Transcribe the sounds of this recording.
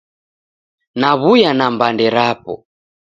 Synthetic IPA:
naβujanambandɛɾapɔ̰

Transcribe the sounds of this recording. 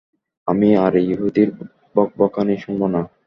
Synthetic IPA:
amiaɾejuɦud̪iɾ | bɔk̚bɔkʰaniʃuŋbona

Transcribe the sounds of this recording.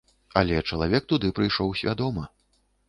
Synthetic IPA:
ɐlʲɛt͡ʂɐlˠavʲɛk̚t̪ud̪ɨpɾɨjʂɔwsʲvʲad̪ɔmɐ

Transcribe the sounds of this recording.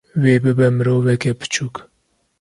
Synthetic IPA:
weːbɨbɛmɨɾoːvɛkɛpɨ̥t͡ʃʰuːk

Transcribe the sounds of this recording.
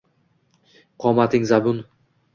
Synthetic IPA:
qʰɒmat̪ʰɪŋzabʊn

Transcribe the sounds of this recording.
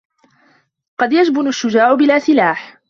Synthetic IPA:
qɑd̪jad͡ʒbʊnaʃːʊd͡ʒaːʕʊbɪlaːsɪlaːħ

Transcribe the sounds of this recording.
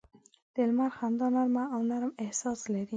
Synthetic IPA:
d̪̥ɪlmaɾxand̪ɑnaɾmaːwnaɾəmehsɑslaɾi

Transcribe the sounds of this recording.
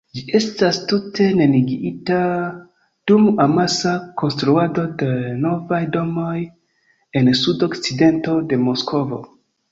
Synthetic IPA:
d͡ʒiʔe̞stastutʰe̞ne̞niɡiita | d̥umamasako̞nstɾuado̞deno̞vajdo̞mo̞j | e̞nsudo̞kt͡side̞nto̞de̞mo̞skʰo̞vo̞̰

